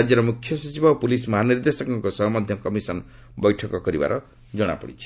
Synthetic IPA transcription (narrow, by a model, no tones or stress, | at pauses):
d͡ʒjʌɾɔmukʰːjɔsut͡ʃibapulismɔɦaniɾd̪esɔkɔŋkosɔɦmɔd̪ʱjɔkɔmisɔn | bɔjʈʰɔkɔkɔɾiba̰ɾʔɔ | d͡ʒɔɽ̃a̰pɔɽit͡ʃʰi̥